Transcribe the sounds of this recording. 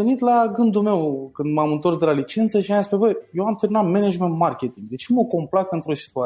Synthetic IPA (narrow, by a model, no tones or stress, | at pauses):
enit̪laɡɨnd̪ume̞wkɨnd̪mamɨnt̪o̞rsd̪e̞lalit͡ʃe̞nt̪səʃiajaspɾebəjjewamt̪eminat̪mened͡ʒment̪markʲet̪iŋɡd̪e̞t͡ʃemokomplat̪̚pe̞nt̪ɾosi̥t̪ua